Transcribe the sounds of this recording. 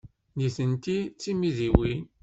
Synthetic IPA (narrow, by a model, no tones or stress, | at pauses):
niθənt̪it͡sːimiðiwin